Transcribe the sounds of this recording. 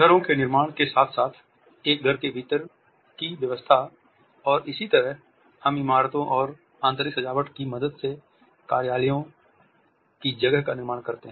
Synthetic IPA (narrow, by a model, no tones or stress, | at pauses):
ɡʱəɾõkenɪɾmaːɽ̃kesaːt̪ʰsaːt̪ʰ | eːk̚ɡʱəɾkebʱiːt̪əɾ | kiʋjəʋəst̪ʰa | ɔːɾɪsit̪əɾəɦ | hɐmɪmaːɾt̪õʔɔːɾ | ãːnt̪əɾɪksɐd͡ʒaːʋəʈkimɐd̪əd̪se | kaːɾjaːlijõ | kid͡ʒɐɡəɦkanɪɾmaːɽ̃kɐɾt̪eɦɛ̃